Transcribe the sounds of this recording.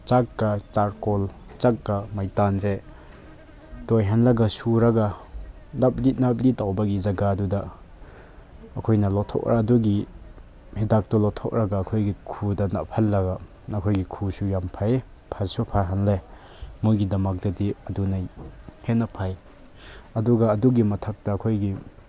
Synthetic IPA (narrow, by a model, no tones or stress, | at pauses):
t͡ʃak̚ɡɐt͡ʃaɾkɔl | t͡ʃak̚ɡɐmajtanze | tojɦanlɐɡɐsuɾɐɡɐ | nap̚lit̚nap̚litawbɐɡizɐɡadudɐ | kʰojnɐlɔtʰɔ̰k̚ɾʔaduɡi | hedak̚tɔlɔtʰɔk̚ɾaɡaːkʰojɡikʰudɐna̰pʰɐlːɐɡa | ɐkʰojɡikʰusujampʰaj | pʰaɾsupʰaɾɦanle | mujɡidɐmak̚dɐdiɐdunajhenɐpʰaj | ɐduɡaːduɡimɐtʰɐk̚tɐːkʰojɡi